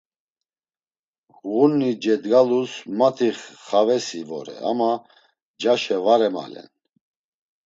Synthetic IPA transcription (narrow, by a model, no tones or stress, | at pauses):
ʁunːid͡ʒɛd̪ɡalusmat̪ʰiχːavɛsivɔ̰ɾɛ̰a̰ma | d͡ʒaʃɛvaɾɛma̰lɛ̰n